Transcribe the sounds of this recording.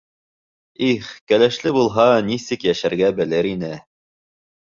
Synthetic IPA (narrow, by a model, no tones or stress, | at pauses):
iχkælæʃlɘbulˠɦɑnisɘkjæʃæɾɡæbɘ̆lɘɾinɘ